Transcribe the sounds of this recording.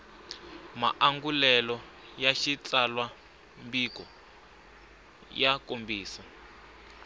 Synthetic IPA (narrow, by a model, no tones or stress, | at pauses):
ma̰ʔaŋɡulɛlɔ | jaʃit͡ɬalwa | mbikɔ | jakombiːsa